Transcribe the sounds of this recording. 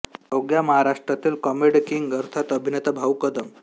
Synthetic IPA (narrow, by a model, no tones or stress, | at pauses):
oɡjaməɦaɾaʂʈɾat̪iːlkɔmiɽkiŋɡəɾt̪ʰat̪əbʱinet̪abʱawkəd̪əm